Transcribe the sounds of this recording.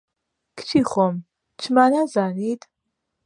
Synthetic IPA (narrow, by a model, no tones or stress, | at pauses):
kʰt͡ʃʰiːχʷɔm | t͡ʃʰmaːnazaːniːd̪